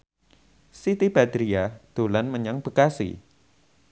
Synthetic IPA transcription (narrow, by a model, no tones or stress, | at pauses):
sit̪ib̥a̤d̪̥ɾiad̪̥o̤lanməɲaŋb̥əkasḭ